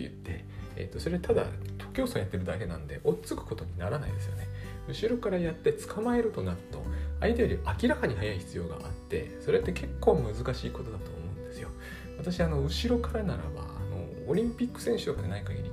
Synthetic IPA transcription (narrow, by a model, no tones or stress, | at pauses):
ḛjɯ̟̰t̪ːe̞̰ː | t̪ːo̞so̞ɾe̞t̪ad̪a̰t̪ʰo̞̥kʲo̞ːsojat̪ːe̞ɾɯ̟d̪ake̞nã̰nod̪e̞̰ʔo̞t͡sɨkɯ̟̥ko̞t̪o̞ɲ̟inaɾana̰ḭd̪e̞sɨjo̞ne̞ | ɯ̟ɕiɾo̞kaɾajat̪ːe̞t͡sɨ̥kʰamae̞ɾɯ̟t̪o̞naɾɯ̟t̪o̞̰ait̪ejoɾʲiʔakʲiɾakaɲ̟ihajaiçi̥t͡sɨjo̞ːɡa̰ʔa̰t̪ːe̞̰so̞ɾe̞t̪ːe̞kʰe̞kːo̞ːmɯ̟zɨkaɕiːko̞t̪o̞d̪at̪o̞̰ːmo̞ɯ̟̃nd̪e̞sɨjo̞ | βat̪aɕiano̞ɯ̟ɕiɾo̞kaɾanaɾa̰ba̰a̰no̰ːɾʲĩmpʲikːɯ̟̥sẽ̞ɰ̃ɕɨ̥okːanaɲikaɡʲḭɾʲi